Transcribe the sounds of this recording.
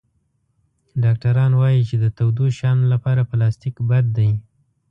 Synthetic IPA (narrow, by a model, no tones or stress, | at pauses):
ɖɑk̚ʈaɾɑnwɑjit͡ʃed̪ət̪awd̪uʃɑnlapɑɾapəlɑst̪ikbad̪ːaj